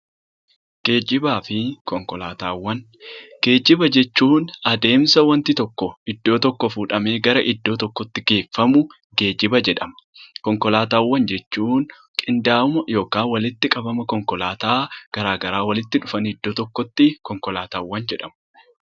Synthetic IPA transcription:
ɡ̥e̞ːd͡ʒɪbaːfɪkɔŋkɔla̰ːt̪aːwːɐn | ɡ̥e̞ːd͡ʒɪbɐd͡ʒɛt͡ʃːuːnɐd̪e̞ːmsɐwɐnt̪ɪt̪ɔkːɔɪd̪ːo̞ːt̪ɔkːɔfuːᶑɐme̞ːɡɐɾɐʔɪd̪ːo̞ːt̪ɔkːɔt̪ːɪɡe̞ːfːɐmʊ | ɡe̞ːd͡ʒɪbɐd͡ʒɛᶑɐmɐ̥kɔŋkɔlaːt̪aːwːɐnd͡ʒɛt͡ʃːuːn | kʼɪnd̪aːʊmɐjo̞ːkaːnwɐlɪt̪ːɪkʼɐbɐmɐkɔŋkɔlaːt̪aːɡ̥ɐɾaːɡɐɾaːwɐlɪt̪ːɪᶑʊfɐnɪd̪ːoːt̪ɔkːɔt̪ːɪkɔŋkɔlaːt̪aːwːɐnd͡ʒɛᶑɐmɐ

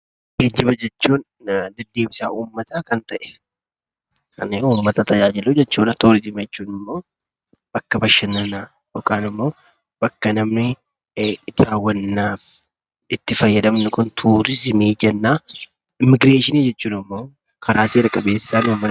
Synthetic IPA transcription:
ɡ̥ed͡ʒːɪbɐd͡ʒɛt͡ʃːuːn | d̪ɪd̪ːeːmɪsaːuːmːɐt̪aːkɐnt̪ɐʔɛ̥ | kɐneːuːmːɐt̪ɐt̪ɐd͡ʒaːd͡ʒɪlud͡ʒɛt͡ʃːuːnɐt̪uːɾɪzɪmd͡ʒɛt͡ʃːuːnɪmːo̞ː | bɐkːɐbɐʃːɐnːɐnaː | jɔkaːnɪmːo̞ː | b̥ɐkːɐnɐmnɪ | d̪̥aːwːɐnːaːf | ɪt̪ːɪfɐjːɐd̪ɐmnɪkʊnt̪ʰuːɾɪzɪmeːd͡ʒɛnːaː | ɪmɪɡɾe̞ːʃɪniːd͡ʒɛt͡ʃːuːnɪmːo̞ː | kʰɐɾaːseːɾɐkʼɐbe̞ːsːaːnuːmːɐ

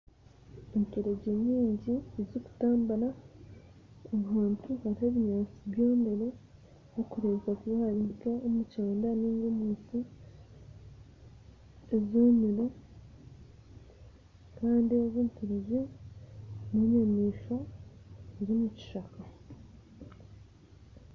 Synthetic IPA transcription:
eɲkeɾe̞ɟeɲiːɲɟiezoku̥taːmbala | omuhaːntuhaɾiheβiɲaːt͡siβjo̞ːnde̞ɾe̞ | okuɾekakuβahaɾikeomuceːndaniːɲɡomuːsi | ezoːmiɾo | kaːndioβuːtuβize | neɲamiːʃo̞ | eɾimuci̥ʃaka

